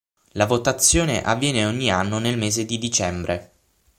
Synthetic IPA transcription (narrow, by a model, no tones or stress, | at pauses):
lavot̪at̪sːjoːnḛʔavːjɛːneoɲːianːonelmeːzed̪id̪it͡ʃɛmbɾʔe